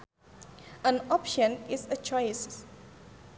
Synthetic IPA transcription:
ə̃nɔpʃə̃nisət͡ʃɔɪs

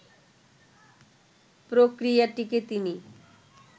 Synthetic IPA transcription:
pɾokɾijaʈiket̪ini

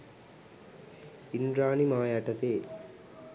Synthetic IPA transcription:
inɾaːnimaːjaʈɐt̪eː

